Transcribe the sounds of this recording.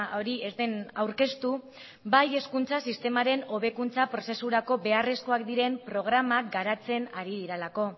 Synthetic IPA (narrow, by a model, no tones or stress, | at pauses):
o̞ɾie̞zd̪e̞nawɾke̞st̪u | baje̞skunt͡sasist̪e̞maɾe̞no̞β̞e̞kunt͡sapɾo̞se̞suɾako̞be̞are̞sko̞akd̪iɾe̞mpɾo̞ɣ̞ɾamak̚ɡaɾat͡se̞naɾið̞iɾelako̞